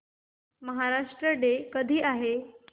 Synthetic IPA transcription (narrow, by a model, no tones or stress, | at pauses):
məɦaɾaʂʈɾəɖekəd̪ʱiːʔaɦe